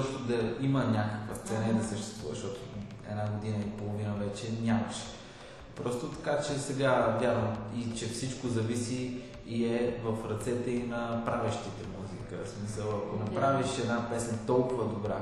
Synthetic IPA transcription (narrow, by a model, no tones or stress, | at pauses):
ɔʃt̪od̪ɐimənʲakəkvəst̪sɛnəɛd̪ɐsəʃt̪ɛ̥st̪vuvə̰ʃt̪ɔt̪o | ɛ̰d̪naɡod̪inəipolˠovinəvɛt͡ʃɛnʲamɐʃɛ̥ | pɾɔst̪ot̪ɐ̥kat͡ʃɛsɛɡavʲjaɾvəmit͡ʃɛfsit͡ʃkozɐvisiː | ɛvəfɾɐt̪sɛt̪ɛinɐpɾavʲəʃt̪it̪ɛmuzikəsmisəlˠɐkonɐpɾaviʃɛd̪napɛsnət̪ɔlˠkʊvəd̪obɾa